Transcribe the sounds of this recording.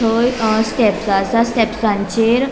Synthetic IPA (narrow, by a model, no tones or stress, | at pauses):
ojsʈɛpsasasʈɛpsãɲt͡ɕeɾ